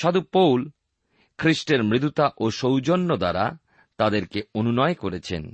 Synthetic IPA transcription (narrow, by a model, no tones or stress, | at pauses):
ʃad̪upowl | kʰɾiʃʈeɾmɾit̪ut̪aʔoʃowd͡ʑonːod̪aɾa̰ | t̪ad̪eɾkeonunɔekoɾet͡ɕʰḛn